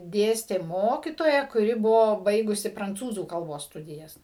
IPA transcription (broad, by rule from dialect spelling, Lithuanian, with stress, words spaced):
ˈdʲeːsʲtʲeː ˈmoːkʲɪtoːjɛ kʊˈrʲɪ ˈbʊʋoː ˈbɐɪɡʊsʲɪ prɐnˈt͡suːzuː kɐlˠˈboːs ˈstʊdʲɪjɛs